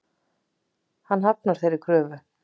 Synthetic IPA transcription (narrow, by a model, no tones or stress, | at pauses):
hanːɦap̚naɾ̥θejɾɪɾ̥kʰɾœːvʏ